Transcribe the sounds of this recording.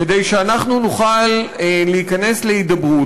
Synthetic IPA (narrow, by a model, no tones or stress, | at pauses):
ked̪ejʃeanaχnunuχalleikane̞sle̞id̪ɐbʁu